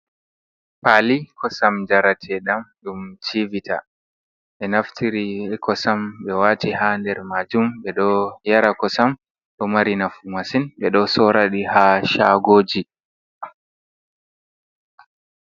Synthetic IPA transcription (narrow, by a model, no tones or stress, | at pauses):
palikɔsamd͡ʒaɾatʰɛɗamɗumt͡ʃivitʰa̰ | ɓɛnaftʰiɾikʰɔsamɓɛwaːtihandɛɾmad͡ʒumɓɛɗɔjaɾakɔsam | ɗɔmaɾinafumasinɓɛɗɔsɔɾaɗihaʃaɡoːd͡ʒi